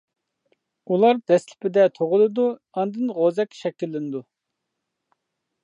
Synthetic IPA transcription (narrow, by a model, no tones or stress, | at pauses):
ulˠɑɾd̪̥ɛslɪ̥pʰɪd̪ɛt̪ʰoʁʊlˠɨd̪u | ɑnd̪ɨnʁozɛkʲːʃɛkʲːilːɪnɪd̪u